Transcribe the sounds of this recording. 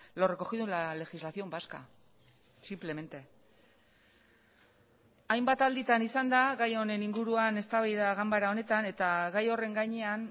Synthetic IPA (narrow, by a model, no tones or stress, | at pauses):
lo̞re̞ko̞xiðulale̞xizlasio̞mbaska̰ | simple̞me̞nt̪e̞ | ajmbat̪ald̪it̪anisand̪aɣajo̞ne̞niŋɡuɾuane̞st̪aβaiðaɣambaɾao̞ne̞t̪ane̞t̪aɣajo̞re̞ŋɡaɲe̞an